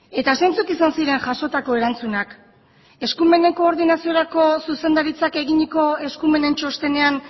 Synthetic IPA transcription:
e̞t̪asejnt͡sukisansiɾe̞ŋʝaʃo̞t̪ako̞e̞ɾant͡sunak | e̞skume̞ne̞ko̞ːɾðinasio̞ɾako̞suse̞nd̪aɾit͡sake̞ɣiɲiko̞e̞skume̞ne̞nt͡ʃo̞st̪e̞ne̞an

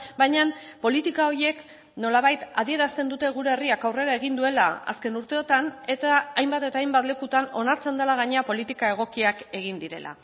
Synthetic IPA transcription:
bajɲanpo̞lit̪ikao̞ɾje̞k | no̞laβajt̪að̞ie̞ɾast̪e̞nd̪ut̪e̞ɣ̞uɾeːriakawre̞ɾae̞ɣind̪ue̞la̰a̰ske̞nuɾt̪e̞o̞t̪ane̞t̪aːjmbat̪e̞t̪aːjmbat̪le̞kut̪ano̞naɾt͡se̞nd̪elaɣ̞aɲeapo̞lit̪ikae̞ɣ̞o̞kiake̞ɣ̞ind̪iɾe̞̰lʔa̰

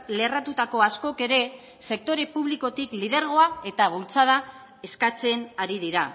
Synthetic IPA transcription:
le̞rat̪ut̪ako̞asko̞ke̞ɾe̞ | se̞k̚t̪o̞ɾe̞puβliko̞t̪iklið̞e̞ɾɣ̞o̞ae̞t̪aβ̞ult͡sað̞a | e̞skat͡se̞naɾiðiɾa

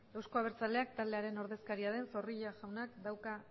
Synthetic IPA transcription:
ewsko̞aβ̞e̞ɾt͡sale̞akt̪ald̪e̞aɾe̞no̞ɾðe̞skaɾiaðe̞nso̞riʎaʝawnakd̪awka

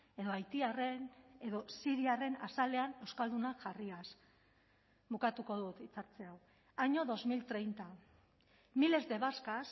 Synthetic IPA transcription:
e̞ðo̞ajt̪iare̞ne̞ðo̞siɾiare̞nasale̞ane̞wskald̪unaʝarias | βukat̪uko̞ðut̪it͡saɾt͡seaw | aɲo̞ðo̞zmilt̪ɾe̞jnt̪a | mile̞zde̞βaskas

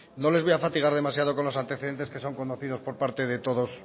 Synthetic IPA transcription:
no̞leβoafat̪iɣ̞aɾðe̞masjaðo̞ko̞nlo̞sant̪e̞θeðe̞nt̪e̞ske̞so̞ŋko̞noθið̞o̞spo̞ɾpaɾt̪e̞ðe̞t̪o̞ðo̞s

